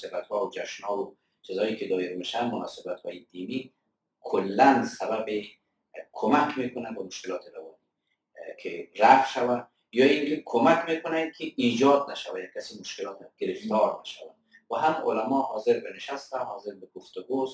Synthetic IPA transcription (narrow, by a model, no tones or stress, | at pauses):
sɪbat̪hɔwʊd͡ʒaʃnɔwʊ | t͡ʃizɔjikɪd̪ɔɪɾmeʃanmʊnɔsɪbat̪hɔjid̪imi | kʰʊlːansababe | kʰomakmekʊnanbamʊʃkɪlɔːt̪ʰɪɾawɔni | kʰeɾaqʃawa | jɔinkekʰomakmekʊnankʰɪid͡ʒɔd̪naʃawajakːasimʊʃkɪlɔt̪aɡ̥ɪɾɪft̪ɔɾnaʃa̰wan | waɦamʊ̰lamɔhɔzɪɾbɪnɪʃast̪ahɔzɪɾbɪɡʊft̪ʊɡos